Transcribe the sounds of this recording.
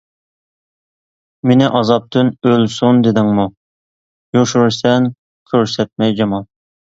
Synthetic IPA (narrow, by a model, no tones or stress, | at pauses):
menɪʔɑzɑp̚t̪ʰɨnølsund̪ɪd̪ɪŋmu | joʃyɾsɛn | kʲʰøɾsɛt̪̚mɛjd͡ʒɑmɑlˠ